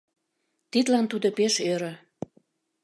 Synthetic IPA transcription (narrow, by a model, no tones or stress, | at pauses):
t̪id̪lɑnt̪ud̪opeʃøɾø̆